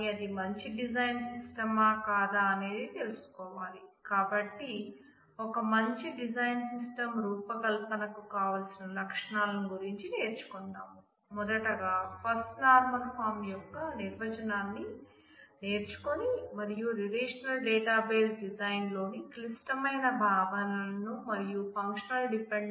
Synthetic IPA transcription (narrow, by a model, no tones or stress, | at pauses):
ɐd̪imɐɲt͡ʃiɖid͡ʒɐjnsisʈɐmaːkaːd̪aːne̞ːd̪it̪elusu̥kɔːʋaːlikaːbɐʈːi | ɔkɐmɐɲt͡ʃiɖid͡ʒɐjnsisʈɐmɾuːpɐkɐlpɐnɐkukaːʋaːlsinɐlɐkʂɐɳaːlɐnuɡuɾiɲt͡ʃine̞ːɾt͡ʃu̥kɔnːaːmu | mɔd̪ɐʈɐɡaːpʰɐɾsʈnaːɾmɐlpʰaːɾmjɔkːɐniɾʋɐt͡ʃɐnaːnːi | neːɾt͡ʃu̥konimɐɾijuɾiɾeːʂɐnɐlɖeːʈaːbe̞ːsɖid͡ʒɐjnlo̞ːniklisʈɐmɐjnɐbʱaːʋɐnɐnumɐɾijupɐŋkʂɐnɐlɖipeɳ